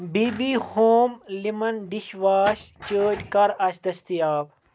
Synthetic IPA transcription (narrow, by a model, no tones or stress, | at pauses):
biːbiːhoːmlimɐnɖ̪iʃʋaːʃt͡ʃəːd͡ʒkɐɾɐʃd̪ɐst̪ijaːb̚